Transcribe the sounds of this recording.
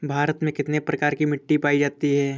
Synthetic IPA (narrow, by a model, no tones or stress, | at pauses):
bʱaːɾət̪mẽkɪt̪nepɾɐkaːɾkimɪʈːipaːid͡ʒaːt̪iɦɛː